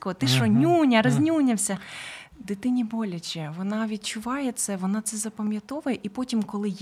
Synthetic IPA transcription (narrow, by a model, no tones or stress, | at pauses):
kɔɦɔt̪ɪʃɔnʲunʲɐɾɐzʲnʲunʲɐwsʲɐd̪ɪt̪ɪnʲibɔlʲɐt͡ʃʲɛʋɔnɑʋʲid̪̚t͡ʃʊʋɑjɛt̪sɛʋɔnɑt̪sɛzɐpɐmʲjɐt̪ɔʋʊjɛʔipɔtʲimkɔlˠɪj